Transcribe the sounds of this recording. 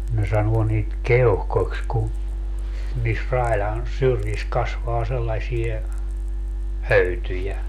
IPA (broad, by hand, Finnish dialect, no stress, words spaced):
ne sɑnuo niːt keohkoksʲ ku niːs rɑilɑn syrjis kɑsʋɑː selːɑsʲie høytyjæ